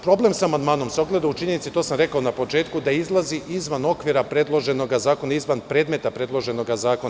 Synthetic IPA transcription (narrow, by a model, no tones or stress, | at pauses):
pɾo̞blˠe̞msamand̪maːno̞mseo̞ɡle̞d̪aut͡ʃiɲenit̪sit̪o̞samɾe̞kaonapo̞t͡ʃe̞ːt̪kud̪aizlˠaziʔizʋano̞kʋiɾapɾe̞d̪lˠo̞ʒe̞no̞ɡazaːko̞naizʋanpɾe̞ːd̪me̞t̪apɾe̞dlˠo̞ʒe̞no̞ɡazaːkon